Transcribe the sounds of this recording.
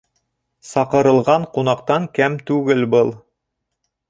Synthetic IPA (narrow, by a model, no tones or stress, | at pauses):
sɑqɤ̆ɾɤ̆lˠʁɑɴqunɑqt̪ɑŋkæmt̪ʉɡɘlbɤlˠ